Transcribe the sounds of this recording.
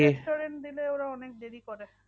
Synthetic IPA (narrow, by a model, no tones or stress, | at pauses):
eʈoɾenʈd̪ileewɾaɔnek̚d̪eɾikoɾe